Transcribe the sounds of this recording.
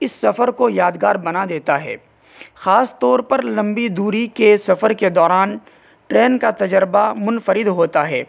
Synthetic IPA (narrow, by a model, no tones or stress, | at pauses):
ɪsːɐfəɾkojaːd̪ɡaːɾbɐnad̪eːt̪aɦɛ̰ː | xaːst̪ɔːɾpɐɾlɐ̃mbid̪uːɾikesɐfəɾked̪ɔːɾaːn | ʈɾɛːnkat̪ɐd͡ʒəɾbamʊnfəɾɪd̪ɦoːt̪aɦɛː